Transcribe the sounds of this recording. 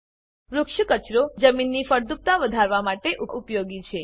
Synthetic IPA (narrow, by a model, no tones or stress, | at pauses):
ɾukʃəkət͡ʃɾod͡ʒəminːifəɾd̪up̚t̪aʋəd̪ʱaɾʋamaʈeʔuʔupjoɡit͡ʃʰe